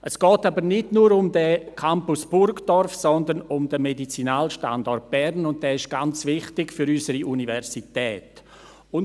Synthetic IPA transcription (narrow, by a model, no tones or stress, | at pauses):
ʔəsɡ̥ɔːtabəɾnɪdnuːɾʊmdəkʰampʊsb̥ʊɾkd̥ɔrfsɔndənʊmdəmedit͡sinaːlʃta̰ndɔrt̚b̥ɛɾnʊnt̚d̥ɛːɪʃɡ̥ant͡svɪχtɪɡfʏɾysəɾiʔunivɛɾsitɛːt | ʊn